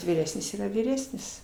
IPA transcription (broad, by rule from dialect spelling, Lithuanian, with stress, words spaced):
ʋʲiːˈrʲæːsʲnʲɪs ˈiːrɐ ʋʲiːˈrʲæːsʲnʲɪs